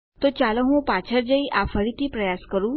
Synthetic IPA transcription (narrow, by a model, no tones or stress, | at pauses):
t̪ot͡ɕaləɦũpat͡ɕʰəɾd͡ʑəiʔafəɭit̪iːpɾəjaskəɾũ